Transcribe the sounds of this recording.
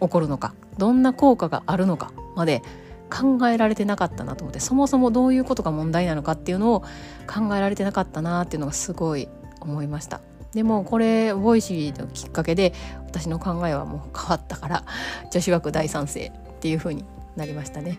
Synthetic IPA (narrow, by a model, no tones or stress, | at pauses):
o̞ko̞ɾɯ̟no̞ka | d̪̥õ̞nːako̞ːkaɡa̰ʔaɾɯ̟no̞ka̰mad̪e̞ | kʰãŋɡae̞ɾaɾe̞t̪e̞nakat̪ːana̰t̪oːmot̪ːeso̞mo̞so̞mo̞d̪o̞ːjɯ̟ːko̞t̪o̞ɡamõ̞nd̪ainano̞kat̪ːe̞jɯ̟no̞ː | kʰãŋɡae̞ɾaɾe̞t̪e̞nakat̪ːanat̪ːeɯ̟noɡasɨɡo̞i | o̞mo̞imaɕi̥t̪a̰ | d̪e̞mo̞ko̞ɾe̞bo̞iɕino̞̰kʲi̥kːake̞d̪e̞βat̪aɕino̞kãŋɡae̞β̞a̰mo̞ːkʰḁβat̪ːakaɾat͡ɕoɕiβakɯ̟d̪aisãɰ̃se̞̰ː | t̪ːe̞jɯ̟ːɸɯ̟ːɲ̟i | naɾʲimaɕi̥t̪ane̞